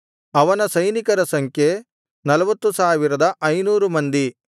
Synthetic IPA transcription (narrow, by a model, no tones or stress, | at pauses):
ɐʋɐnɐsɐjnikɐɾɐsɐŋkʰje | nɐlɐʋɐt̪ːusaːʋiɾɐd̪ɐʔɐjnuːɾumɐnd̪i